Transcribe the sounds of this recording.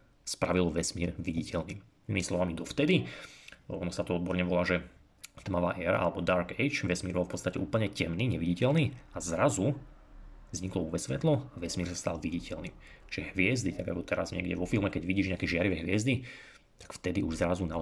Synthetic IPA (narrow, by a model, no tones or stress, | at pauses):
spɾaʋilʋɛsmiːɾʋiɟicɛlnḭː | imimislɔʋamid̪ɔft̪ɛd̪i | ɔnɔsat̪ɔɔd̪bɔɾɲɛʋɔlaːʒɛ | t̪maʋa̰ːʔɛːɾa̰ʔa̰lɛbɔd̪aɾɡɛjt͡ʃʋɛsmiːɾbɔlˠfpɔtt͡st̪acɛuːpl̩ɲɛcɛmniːɲɛʋiɟicɛlniːazɾazu | vzɲiklɔuʋɛsʋɛt̪lɔaʋɛsmiːɾsast̪a̰lʋiɟicɛlnḭː | ʒ̥ɛɦʋɪɛzd̪it̪aɡa̰kɔt̪ɛɾa̰zɲɛ̰ɡɟɛ̰ʋɔfilˠmɛkɛɟʋiɟiːʒɲɛakɛʒɪaɾiʋɛɦʋɪɛzd̪i | t̪ḁkft̪ɛd̪iʔuʒzɾazunaɔ